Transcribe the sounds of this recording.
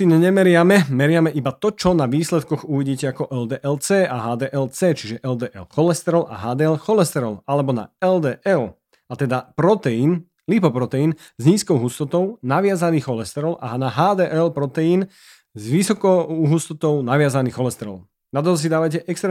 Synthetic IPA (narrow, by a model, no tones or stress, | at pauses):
iɲɛɲɛmɛɾɪamɛmɛɾɪamɛʔibat̪ɔt͡ʃɔnaʋiːslɛt̪kɔɣuʋiɟiːcɛakɔʔɛld̪ɛːʔɛlt͡sɛːʔaɦaːd̪ɛːʔɛlt͡sɛːt͡ʃiʒɛʔɛld̪ɛːʔɛ̰lxɔlɛst̪ɛɾɔlʔa̰ɦaːd̪ɛːɛlxɔlɛst̪ɛɾɔlalɛbɔna̰ɛld̪ɛːʔɛl | at̪ɛd̪apɾɔt̪ɛjiːn | lipɔpɾɔt̪ɛjin | zɲiːskɔʊɦust̪ɔt̪ɔʊnaʋɪazaniːxxɔlɛst̪ɛɾɔla̰naɦaːd̪ɛːʔɛlpɾɔt̪ɛjiːn | zʋisɔkɔɦust̪ɔt̪ɔʊnaʋɪazaniːxxɔlɛst̪ɛɾɔ̰l | nad̪ɔls̬id̪aːʋajcɛʔɛkst̪ɾɛ